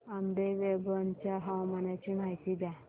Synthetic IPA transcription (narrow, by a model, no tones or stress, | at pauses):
amd̪eʋebənt͡ɕjaɦawmanjat͡ɕiːm̤ajt̪iːd̪ja